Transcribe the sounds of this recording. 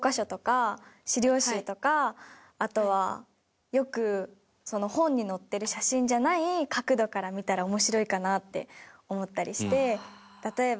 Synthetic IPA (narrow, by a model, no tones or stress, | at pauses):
okaɕo̞t̪o̞kaɕiɾʲo̞ːɕiːt̪o̞kaː | t̪o̞β̞a̰ | jo̞kɯ̟ | so̞no̞hõ̞ɲ̟ːino̞t̪ːe̞ɾɯ̟ɕaɕĩɲ̟d͡ʑanaikakɯ̟d̪o̞kaɾamʲit̪aɾaomo̞ɕiɾo̞ikanat̪ːe̞̰o̞mo̞t̪ːaɾʲiɕi̥t̪e̞ | t̪at̪o̞e̞b